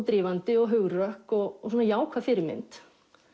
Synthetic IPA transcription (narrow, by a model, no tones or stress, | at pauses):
t̪ɾiːvant̪ɪɔɣɦʏɣɾœhkɔɣsuːnajaːwkʰvafɪɾɪɾmɪ̰nt̪